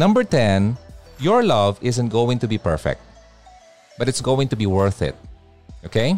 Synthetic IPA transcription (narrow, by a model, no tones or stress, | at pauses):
nʌ̃mbəɹt̪ɛ̃njɔɹlʌvɪzə̃nt̚ɡowɪ̃ŋt̪ʊbipɛɹfɛ̰k̚t̪̚ | b̥ʌt̪ɪtsɡowɪ̃ŋt̪ʊbiwɜɹθɪ̰t̪̚ | ʔokʰeɪ